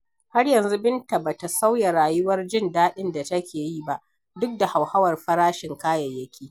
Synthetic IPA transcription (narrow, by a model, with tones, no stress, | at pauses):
ha˦rjɐ˨nzu˦bɪ˦nta˨ba˨ta˨sa˦wja˨ɾaː˨jʊ˦wɐ˦rd͡ʒɪ˦ndaː˦ɗɪ˦nda˨tɐ˦kʲeː˨ji˦ba˦ʔ | dʊ˦k̚da˨ha˨wha˦wɐ˨rɸɐ˦ɾaː˦ʃɪ˨ŋkaː˦jɐ˨jːɐ˦kʲiː˦